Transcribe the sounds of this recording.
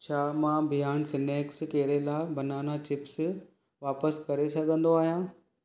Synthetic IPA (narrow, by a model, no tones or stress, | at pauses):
t͡ɕʰaːmãːbʱijaːñsɪneːkskeɦɾelaːbɐnaːnat͡ɕɪps | ʋaːpəskɐɾesɐɡʱə̃nd̪oaːɦijãː